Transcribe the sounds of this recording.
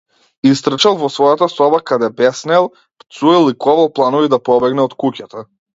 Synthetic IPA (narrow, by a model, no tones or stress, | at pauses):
ist̪ɾ̩t͡ʃalˠvɔsvɔjat̪asɔbakad̪ɛbɛsnɛlˠ | pt̪suɛlˠikɔvalˠplˠanɔvid̪apɔbɛɡnɛɔt̪kucat̪a